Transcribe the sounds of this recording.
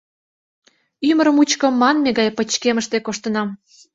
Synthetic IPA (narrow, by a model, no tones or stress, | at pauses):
ymə̆ɾə̆mut͡ɕkə̆mːɑnmeɣɑjpə̆t͡ɕkeməʃt̪ekoʃt̪ənɑm